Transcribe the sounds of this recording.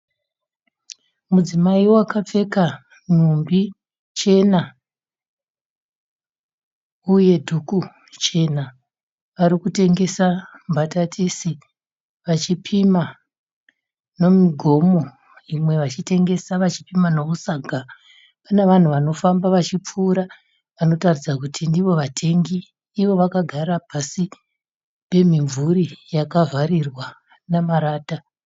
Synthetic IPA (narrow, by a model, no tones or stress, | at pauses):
mud͡zimaiwoakap͡fe̞ka | n̤umbi | t͡ʃe̞na | uje̞dʱuku | t͡ʃe̞na | ʋaɾikute̞ŋɡe̞sambʱatatʰisi | ʋat͡ʃipʰima | no̞miɡʱo̞mo̞ | imwe̞ʋat͡ʃite̞ŋɡe̞saʋat͡ʃi̥pimano̞kusaɡʱa | paneʋan̤uʋano̞fambaʋat͡ʃip͡fuːɾa | ʋano̞tarid͡zakutʰindiʋo̞ʋatʰe̞ŋɡiː | ʋo̞ʋakaɡʱaɾapasi | pe̞miɱvuɾijakavarirwa | namaɾaːta